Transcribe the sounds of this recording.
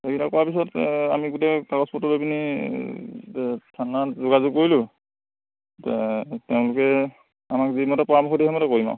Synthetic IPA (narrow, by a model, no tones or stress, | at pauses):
ekitakɔwapis̬ɔta̰miɡutɛkakɔspɔtɔbobini | tʰanazʊɡazʊk̚koɹilʊ | tɛteʊ̃lʊkɛ | amakzimɔtɔpɔɹamɔkxɔdiɛmɔtɛkoɹima̰